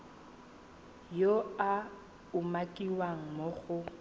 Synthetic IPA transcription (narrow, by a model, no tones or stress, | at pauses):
joa | ʊmakʼiwaŋ̩moɣʊ